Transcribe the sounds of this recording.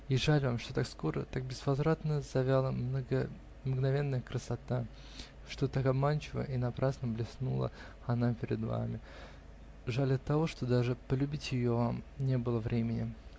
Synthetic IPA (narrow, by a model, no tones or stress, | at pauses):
iʐalʲvamʂt̪ot̪akskoɾə̰t̪ak̚bʲɪzvɐzɾat̪nəzɐvʲalˠəmnəɡə | mɡnɐvʲe̞nːəjəkɾəsɐt̪a | ʂt̪o̞t̪akɐbmant͡ɕɪvə̰ʔinɐpɾasnəblʲɪsnṵlˠə̰ | ɐnapʲɪɾʲɪ̰d̪va̰mʲɪ | ʐalʲɐt̪ːɐvo̞ʂt̪o̞d̪aʐɨpəlʲʉbʲitʲjɪjo̞vamnʲebɨlˠəvɾʲemʲɪnʲɪ̰